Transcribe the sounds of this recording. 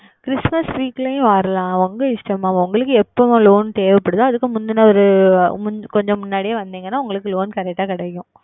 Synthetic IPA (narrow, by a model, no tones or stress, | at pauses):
kɪɾɪsmɐsʋiːkːlejʊ̃ʋaːɾɐlãːʊŋɡɐɪsʈɐmãːʊŋɡɐɭɯkːɯɛpːɐʋʊ̃loːnt̪eːʋɛpːɐɽɯðaɐðɯkːɯmʊnd̪ɪnːɐɔɾɯmʊkɔɲd͡ʒɔ̃mʊnːaːɽijeːʋɐnd̪iːŋɡɐnːaːʊŋɡɐɭɯkːɯloːnkɐɾɛk̚ʈːaːkɪɽɐjːʊ̃